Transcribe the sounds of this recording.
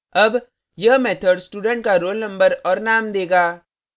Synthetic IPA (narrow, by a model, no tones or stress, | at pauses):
əb | jɐmɛːt̪ʰəɖsʈuːɖə̃ɳʈ̚kaɾoːlnə̃mbəɾɔːɾnaːmd̪eːɡaː